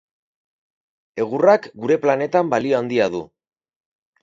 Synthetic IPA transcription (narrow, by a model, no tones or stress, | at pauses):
e̞ɣ̞urakɡuɾe̞plane̞t̪ambalio̞and̪iaðṵ